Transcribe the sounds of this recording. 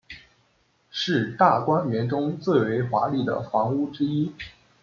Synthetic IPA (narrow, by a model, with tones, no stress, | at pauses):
ʂɻ̩˥˧t̪a˥˩kwa˥nɥɛ˧˥nʈ͡ʂʊ˥ŋt͡sɹ̩˥˩we˧˥ɪxwa˧˥li˥˩d̪ə̰˩fɑ˧˥ŋu˥ʈ͡ʂɻ̩˥i˥